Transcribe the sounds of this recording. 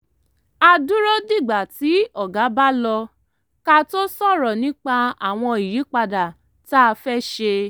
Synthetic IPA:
a˧du˦ɾo˦di˦˨ɡ͡ba˨ti˨˦ɔ˦˨ɡa˨˦ba˦lɔ˧ | ka˧to˦sɔ˦˨ɾɔ˨nĩ˦k͡pa˧a̰˨w̃ɔ̃˧i˨ji˨˦k͡pa˧da˨ | ta˦˧fɛ˦ʃe˧

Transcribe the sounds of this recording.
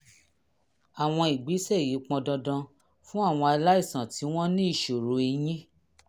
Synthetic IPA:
a˨w̃ɔ̃˧i˨ɡ͡bi˨˦sɛ˦˨ji˨˦k͡pɔ̃˧dɔ̃˧dɔ̃˧ | fũ˦a˦˨w̃ɔ̃˧a˧la˦i˦˨sã˨ti˨˦w̃ɔ̃˦nĩ˦i˦˨ʃo˨ɾo˨˦i˧j̃ĩ˦

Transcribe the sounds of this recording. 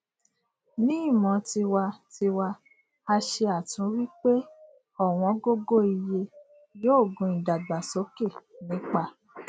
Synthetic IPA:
nĩ˦i˦˨mɔ̃˨˦ti˧wa˧ti˧wa˧ | a˧ʃe˧a˨tũ˨˦wi˦k͡pe˦ | ɔ˦˨w̃ɔ̃˧˦ɡo˦ɡo˦i˧je˧ | joː˦˨ɡũ˧˦ĩ˨da˨ɡ͡ba˨so˨˦ke˦˨nĩ˨˦k͡pa˧

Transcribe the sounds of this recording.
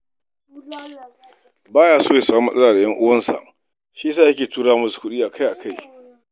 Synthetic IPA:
baː˦jaː˦˨soː˦jeː˨sa˨wmɐ˦sʼɐ˦laː˨da˨jɐ˦ŋʔʊ˦wɐ˦nsa̰˨ʔ | ʃi˦s̬aː˦˨jɐ˦kʲeː˨tuː˦ɽaː˦mʊ˦˨skʷʊ˦ɗiː˦ʔa˨kʰa˦jʔa˨ka˦j

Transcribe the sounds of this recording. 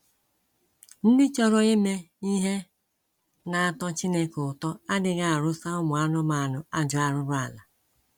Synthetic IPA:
n̩˦dɪ˦t͡ʃɔ˦ɾɔ˨e˦me˦ | i˦ɦe˦ | na˨a˨tɔ˦t͡ʃi˦ne˦kʊ˨tɔ˦a˦dɪ˨ɣa˦˨a˨ɾʊ˦sa˦ʊ˦mʊ˨a˦nʊ˦ma˨a˨nʊ˨a˦d͡ʒʊ˨a˦ɾʊ˦ɾʊ˦a˨la˨

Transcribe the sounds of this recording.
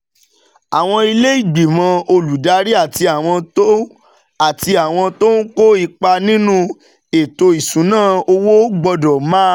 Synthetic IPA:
a˨w̃ɔ̃˧i˧le˦i˦˨ɡ͡bi˨mã˧o˧lu˨da˨˦ɾi˦a˦˨ti˧a˨w̃ɔ̃˧to˦ | a˨ti˧a˨w̃ɔ̃˧to˦n̩˦ko˦i˧k͡pa˧nĩ˦nũ˦ | e˨to˧i˨sũ˨˦nãː˦o˧wo˦ɡ͡bɔ˧dɔ˨˦mãː˦

